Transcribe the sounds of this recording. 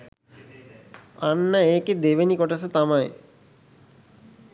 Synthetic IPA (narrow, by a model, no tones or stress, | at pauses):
anːəeːked̪eʋenikɔʈəs̬ət̪amaj